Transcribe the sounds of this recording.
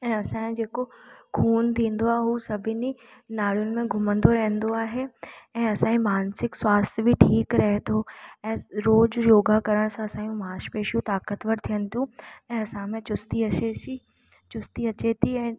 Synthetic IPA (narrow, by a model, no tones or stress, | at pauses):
ɛ̃ːɐsãːd͡ʑeːkokʰuːnt̪ʰĩːnd̪oaːɦeɦuːsɐbʱɪninaːɭ̤jʊnɪ̆mẽɡʱʊmə̃nd̪oɾɐɦə̃nd̪oaːɦeɛ̃ːɐsãĩmaːnsɪkswaːst̪ʰbʱiʈʰiːkɾɐɦet̪ʰoɛ̃ːɾoːd͡ʑjoːɡakɐɾəɽ̃sãɐsãːjũmaːʃpeːʃjũt̪aːkət̪ʋəɾt̪ʰijənɪ̆t̪ʰjũɛ̃ːɐsãmẽt͡ɕʊst̪iɐei | t͡ɕʊst̪iɐt͡ɕet̪ʰiɛ̃ː